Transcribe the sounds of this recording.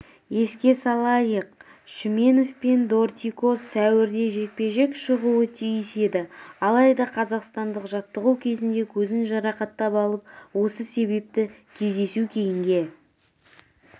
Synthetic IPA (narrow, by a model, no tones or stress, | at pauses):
je̞skʲe̞sɑlˠɑjəqʃime̞no̞fpe̞nd̪o̞rt̪ʲiko̞sːæwɪɾd̪e̞ʒe̞k̚pe̞ʒe̞kʃəʁuwət̪ʰijɪse̞d̪ɪɑlˠɑjd̪ɑqʰɑzɑqst̪ɑnd̪əqʒɑt̪ːəʁuwkʲʰe̞zɪnd̪e̞kʲʰɵzɪnʒɑɾɑqɑt̪ːɑpɑlˠəp̚wo̞səse̞be̞p̚t̪ɪkʲʰe̞zd̪e̞sukʲʰe̞jɪŋɡʲe̞